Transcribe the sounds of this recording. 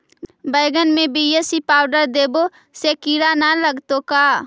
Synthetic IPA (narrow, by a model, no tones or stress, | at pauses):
bəjɡənmẽbiːesipaːʊɖəɾd̪eːbo | sekiːɽanaləɡt̪okaː